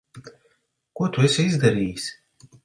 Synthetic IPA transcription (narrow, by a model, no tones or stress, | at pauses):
kuɔt̪uɛsizd̪aɾiːjs